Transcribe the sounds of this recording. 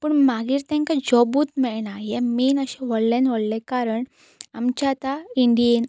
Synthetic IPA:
puːɳmaɡiːɾt̪ɛ̃ŋkad͡ʑɔbuːt̪mɛɭɳajɛminəɕɛ̃ʋɔɭlẽnʋɔɽlɛkaɾəɳ | amt͡ɕat̪aiɳɖien

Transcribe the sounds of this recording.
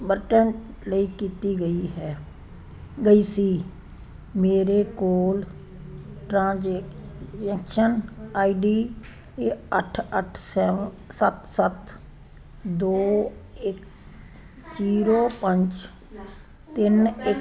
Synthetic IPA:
bəɾʈən | ləiːkiːt̪iːɡəiːɦɛː | ɡəiːsiː | meːɾeːkoːl | ʈɾãːd͡ʒ | d͡ʒɛːkʃənaːiɖiː | eəʈʰəʈʰsɛː | sət̪sət̪ | d̪oːɪk | t͡ʃiːɾoːpə̃ɲt͡ʃ | t̪ɪnɪ

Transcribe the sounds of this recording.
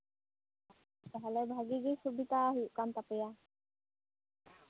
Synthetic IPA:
t̪ɦɛlɛbʱaɡiɡisubit̪aɦuʔkant̪apəja

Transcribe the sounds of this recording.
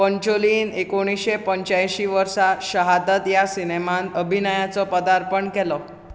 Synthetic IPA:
pəɲt͡ɕoliːnekoɽ̃iɕepəɲt͡ɕajɕiːʋəɾsaɕəɦad̪ət̪jasinemãnt̪əbʱinəjat͡sɔpəd̪aɾpəɳkɛlɔ

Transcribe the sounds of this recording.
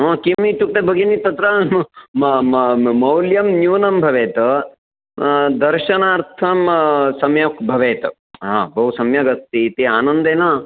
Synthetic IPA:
õkimiʈuk̚ʈ̪ebʱɐɡɐnit̪ɐt̪ɾɐ | mɐwljɐmnjuːnɐmbʱɐʋeːt̪ɐ | d̪ɐɾʃɐnaːɾt̪ʰɐmsɐmjɐkbʱɐʋeːt̪ɐ | ɦa̰ːbʱɐɦusɐmjɐɡɐst̪it̪iaːnɐnd̪eːnɐ

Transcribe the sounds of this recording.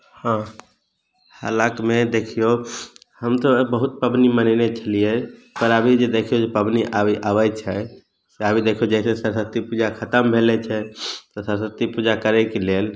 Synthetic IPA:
hã | ha̰lakmed̪ekʰijo | həmt̪ɔbəɦut̪̚pəbnimənəɪnet͡ʃʰəlijepəɾəbʱid͡ʒed̪ekʰijod͡ʒepəbniʔabiʔaʋət͡ʃʰɛ | seəbʱid̪ekʰiod͡ʒɛɪsesəɾsət̪ːipud͡ʒakʰət̪əmbʱelɛt͡ʃʰɛt̪ɔsəɾsət̪ːipud͡ʒakəɾɛkelel

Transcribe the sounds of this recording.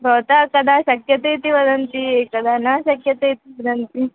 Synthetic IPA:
ɾot̪akɐd̪ʱaɕɐkjɐt̪ejt̪iʋɐd̪ɐnt̪iekɐd̪ʱanɐɕɐkjɐt̪ejt̪iʋɐd̪ɐnt̪i

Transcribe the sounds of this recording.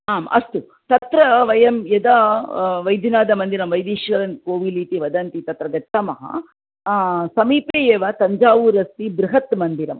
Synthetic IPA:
aːmɐ̰st̪u | t̪ɐt̪ɾɐʋɐjɐmjɐd̪aʋɐjd̪ʱjunaːd̪ɐmɐnd̪iɾɐmʋɐjd̪iːʃʋɐɾɐnkoːʋiliːt̪iʋɐd̪ɐnt̪it̪ɐt̪ɾɐɡɐt̪ːɐmɐɦɐ̰ | sɐmiːpeːjeːʋat̪ɐɲd͡ʒaːʋuːɾɐst̪ibɾuɦɐt̪mɐnd̪iɾɐm

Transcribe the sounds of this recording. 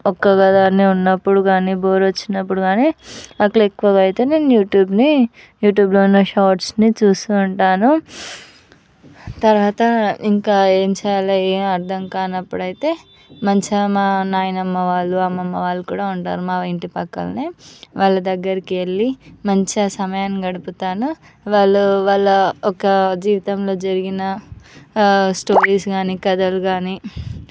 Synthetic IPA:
ɔkːɐɡad̪aːneunːɐpːuɽuɡaːniboːɾot͡ʃːinːɐpːuɽuɡaːniɐkːɭekːuʋɐɡɐjit̪e̞ːne̞ːnujuːʈjuːbni | juːʈjuːbloːnːeʃaːʈsnit͡ʃuːsuːɳʈaːnu | t̪ɐɾʋaːt̪ɐiŋkaːeːmt͡ʃaːjɐlɐeːmɐɾd̪ʱɐŋkaːnɐpːuɽɐjit̪e̞ː | mɐɲt͡ʃɐmaːnaːjɐnɐmːɐʋaːɭːuɐmːɐmːɐʋaːɭːukuːɽaːuɳʈaːɾumaːiɳʈipɐkːɐ̰lɐneːʋaːɭːɐd̪ɐɡːɐɾikieɭːimɐɲt͡ʃɐsɐmɐjaːnɡɐɽuput̪aːnu | ʋaːɭːuʋaːɭːɐɔkɐd͡ʒiːʋit̪ɐmlo̞ːd͡ʒɐɾiɡinɐ | sʈo̞ːɾiːsɡaːniːkɐd̪ɐluɡaːniː

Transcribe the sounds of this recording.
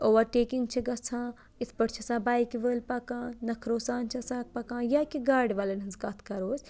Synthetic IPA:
oːʋɐɾʈeːkiŋɡ̚t͡ʃʰiɡɐsʰãː | ɪsʰpɐɽt͡ʃʰiɐsãːbaːjkiʋəːlpɐkãːnɐkʰɾoːsaːnt͡ʃʰiɐsãːk̚pɐkãːjaːkiɡaːɾɖʋaːlenɐnzkɐt̪ʰkɐɾoːz

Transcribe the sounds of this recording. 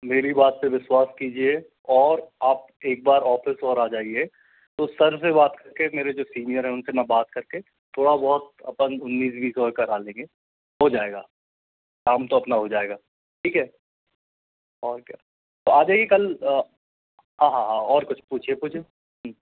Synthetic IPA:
meːɾibaːt̪̚peʋɪswaːskiːd͡ʒie | ɔːɾaːp̚ | eːk̚baːɾɔːfʰɪsɔːɾaːd͡ʒaːie | t̪osɐɾsebaːt̪kɐɾkemeːɾed͡ʒoːsiːnijəɾɦɛ̃ʊnsemɛ̃baːt̪̚kɐɾke | t̪ʰoːɽabɔɦʊt̪ɐ̰pənʊnːiːs̬bʱiːsɔːɾkɐɾaːlẽːŋɡe | ɦod͡ʒaːeːɡaː | kaːmt̪oɐpnaɦod͡ʒaːeːɡaː | ʈʰiːkɦɛː | ɔːɾkja̰ː | t̪oaːd͡ʒaːiekɐl | ɦãːɦãɦãɔːɾkʊt͡ʃʰpuːt͡ʃʰiepuːt͡ʃʰe | ɦ

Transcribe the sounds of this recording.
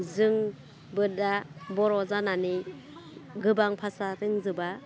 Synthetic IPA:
zɯŋ | bɯdabɔɾɔzanani | ɡɯbaŋpʰasaɾɯŋzɯba

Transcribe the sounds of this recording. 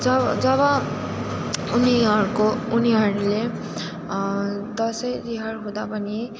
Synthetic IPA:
d͡zʌd͡zʌbʌ | uniɦʌɾukouniɦʌɾule | d̪ʌsʌjd̪iɦʌrɦũd̪apʌni

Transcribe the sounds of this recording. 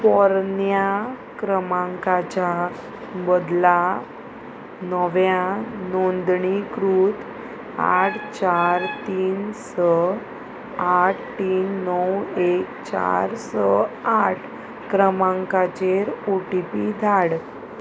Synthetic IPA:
pɔɾnja | kɾəmãŋkat͡ɕa | bəd̪la | nəʋjanond̪ɳikɾuːt̪ | a̰ʈʰt͡ɕaɾt̪iːnsə | aʈ̚ʰt̪iːnːəwekt͡ɕa̰ɾsəaʈʰ | kɾəmãŋkat͡ɕeɾoʈipid̪ʱaɽ

